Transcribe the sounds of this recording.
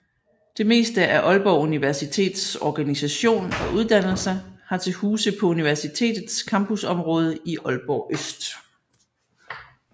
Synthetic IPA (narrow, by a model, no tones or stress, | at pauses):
d̥e̝me̝̰ːsd̥əʔæʔɒ̽lb̥ɒʊuniʋæɐsit͡sʰe̝̰ːd̥sɒɡ̥ænisæɕo̝̰ːnɒ̽ʔuð̞ˠd̥æn̰l̩səhɑ̈t͡sʰe̝huːsəpʰɒ̽uniʋæɐsit͡sʰe̝̰ːd̥ð̩ˠskʰɑ̈mbusɒ̽mʁɔ̽ːð̞ˠəiʔɒ̽lb̥ɒːʔøsd̥